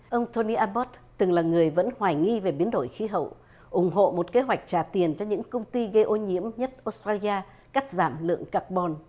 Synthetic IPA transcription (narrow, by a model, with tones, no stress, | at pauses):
ʔə˧wŋ͡mt̪o˧ni˧ʔaː˧ɓɔ˦˥t̚t̪ɨ˨˩ŋlaː˨˩ŋɨ˨˩əjvə̰˧˥nhwaː˨˩jŋi˧ve˨˩ɓi˨˦ənɗo˧˩jxi˨˦ɦə̰˧˨w | ʔʊ˧˩ŋ͡mɦo̰˧˨mo˨˩t̚ke˨˦ɦwa˨˩jk̟̚t͡ɕaː˧˩t̪i˨˩ənt͡ɕɔ˧ɲɨ̰˧˥ŋkə˧wŋ͡mt̪i˧ɣə˧jʔo˧nɲḭ˧˥əmɲə˦˥t̚ʔo˧˦˥stɹaː˧li˧aː˧ | ka˦˥k̚zaː˧˩mlɨ̰˧˨əŋka˦˥k̚ɓɔ˧n